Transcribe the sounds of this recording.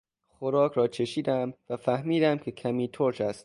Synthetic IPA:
xoɾɒːkʰɾɒːt͡ʃʰe̞ʃiːd̪æmvæfæhmiːd̪æmkʲʰe̞kʰæmiːt̪ʰoɾt͡ʃæst̪

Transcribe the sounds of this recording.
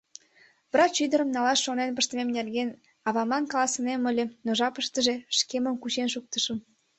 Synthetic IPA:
βrɑt͡ɕyd̪əɾə̆mnɑlɑsːonenpə̆ʃt̪ə̆memnerɡen | ɑβɑmɑnkɑlɑsə̆nemə̆lʲĕnoʒɑpəʃt̪əʒeʃkemə̆mkut͡ɕenʃuk̚t̪ə̆ʃə̆m

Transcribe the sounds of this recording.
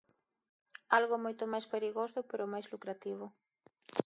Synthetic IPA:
alɣomojt̪omajspeɾiɣosʊpeɾomajszlukɾat̪iβ̞ʊ

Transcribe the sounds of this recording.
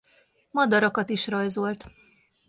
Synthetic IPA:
mɒd̪ɒɾɒkɒt̪iʃrɒjzo̞lt̪

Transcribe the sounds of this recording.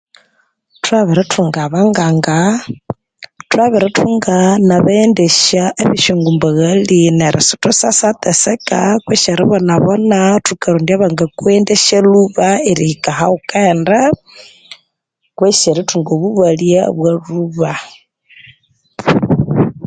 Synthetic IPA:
twaβiɾatʰuŋɡaβaŋɡaːŋɡa | twaβiɾatʰuŋɡanaβendeʃaʔeβiʃoŋɡumbaɣalineɾʔa̰so̥tosasat̪esekakweʃeɾiβonaβonatukaɾondiaβaŋɡakwendeʃeluβaeɾiikahaukanda | kweʃeɾituŋɡoβuβaljaβwaluβa

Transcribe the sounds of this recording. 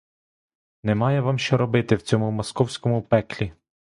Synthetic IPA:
nɛmɑjɛʋɑmʃt͡ʃɔɾɔbɪt̪ɪwt͡sʲɔmʊmɔskɔwsʲkɔmʊpɛklʲi

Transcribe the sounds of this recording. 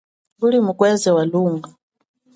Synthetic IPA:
ɡulimukwɛzɛwaluːŋɡa

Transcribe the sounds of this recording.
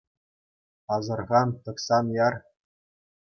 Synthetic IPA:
ɑzɤ̆rʁɑnt̪ɤ̆ksɑnjɑr

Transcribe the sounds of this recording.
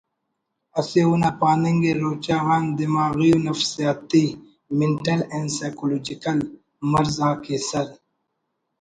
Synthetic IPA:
ɐseunapaːniŋɡeɾoːt͡ɕaːɣaːnd̪imaːɣijunɐfsijaːt̪ːi | meɳʈɐlẽɳɖsaːjkoloːd͡ʑikɐl | mɐɾzaːkeːsɐɾ

